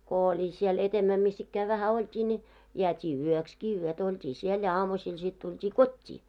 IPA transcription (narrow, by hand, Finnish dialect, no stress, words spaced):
ko olʲi siel etemːæ misː ikːæː ʋæhæ oltʲiː nʲi jeætʲiː yøkski yøtæ̆ oltʲiː siel jɑ ɑːmusiːl sit tultʲiː kotʲːiː